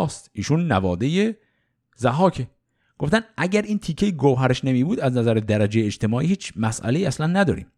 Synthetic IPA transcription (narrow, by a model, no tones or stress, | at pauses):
st̪iːʃuːnːævɒːd̪e̞je | zæɦɒːcʰe | ɡ̥o̞ft̪ænʔæɟæɾiːnt̪ʰiːkʰejiɡowɦæɾeʃnemiːbuːd̪æznæzæɾed̪æɾæd͡ʒejeed͡ʒt̪e̞mɒːʔiːhiːt͡ʃʰmæsʔæ̰leiːæslænːæd̪ɒ̰ːɾḭːm